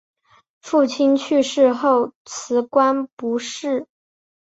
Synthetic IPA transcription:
fu˥˩t͡ɕʰi˥nt͡ɕʰy˥˧ʂɻ̩˥˧xo˥˩ʊt͡sʰɹ̩˧˥kwa˥npu˧˥ʂɻ̩˥˩

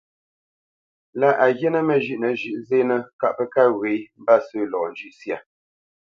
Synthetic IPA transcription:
la˦ʔa˨ɣje˦nə˦mə˨ʒʉ˨ʔnə˨ʒʉ˨ʔze˦nə˦ka˨ʔpə˦ka˦ɣwe˨˦m̩˦ba˦sə˦lɔ˨n̩˨d͡ʒʉ˦ʔsja˨

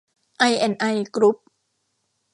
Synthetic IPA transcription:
ʔa˧jʔɛ˧˩nʔa˧jkɾu˦˥p̚

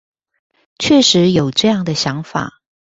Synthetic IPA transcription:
t͡ɕʰɥɛ˥˩ʂɻ̩˧˥jo˨˩ʊʈ͡ʂɤ˥˧jɑ˥˩ŋd̪ə˩ɕjɑ˧˥ŋfa̰˨˩˦

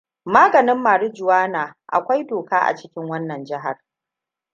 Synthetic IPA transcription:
maː˦ɡɐ˨nɪ˦mːaː˨ɽɪ˦d͡ʒʊ˨waː˦naː˨ʔa̰˨kʷa˦jdoː˨kaː˦ʔa̰˨t͡ʃɪ˦kʲɪ˦ŋwɐ˦nːɐ˨nd͡ʒɪ˦ɦa̰˨r

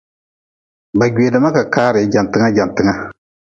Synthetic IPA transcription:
ba˨ɡeː˨dɨ˨˦ma˦ka˨kaː˦ɾɪ˨˦d͡ʒa˨n˨tɨ˦ŋa˦d͡ʒa˨n˨tɨ˨ŋa˦

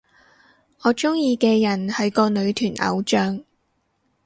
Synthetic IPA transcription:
ɔː˨˧t͡ʃʊ˥ŋjiː˧kɛː˧jɐ˨˩nhɐ˨˥jkɔː˧nɵ˨˧ɥt̪ʰyː˨˩nʔɐ̰˨˧wt͡ʃœː˧ŋ

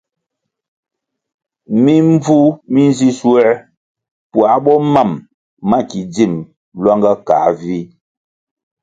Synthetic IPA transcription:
mi˦ɱ˦vu˦mi˦n˦zi˦swɛ˦ | pwa˨˦ɓɔ˦ma˦˨mː | a˦ki˨d͡zi˦˨m | lwa˦ŋɡa˦kaː˨˦vi˦

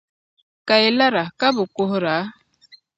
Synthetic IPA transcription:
ka˨e˨la˦ɾa˨ka˦bʊ˨ko˦hɾa˨˦

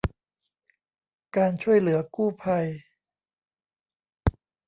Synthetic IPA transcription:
kaː˧nt͡ɕʰu˥˩əjlɯ˩˦ɐkuː˥˩pʰa˧j

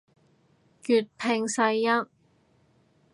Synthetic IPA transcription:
kyː˨t̚pʰɪ˧ŋsɐ˧jːɐ˥t̚

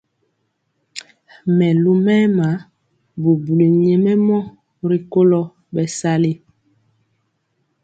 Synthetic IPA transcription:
mɛ˨lu˦mɛː˦ma˨˦ | bu˨bu˨le˨ɲɛ˨mɛ˦mɔ˦ | ɾi˨ko˦lɔ˦ | bɛ˨sa˦le˦

